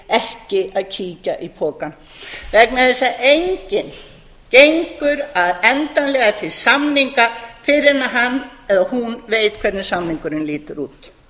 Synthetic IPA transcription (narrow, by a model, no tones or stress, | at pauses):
ɛhcɪaðcʰiːcaʔipʰɔːkan | vɛknaθɛsːaʔejɲcɪn | cejŋkʏɾaðɛnt̪anlɛːɣat̪ʰɪlsamniŋkafɪɾɪɾnaɦanːɛðahunveːjt̪kʰvɛɾt̪nɪsamniŋkʏɾɪnliːt̪ɪɾuːt̪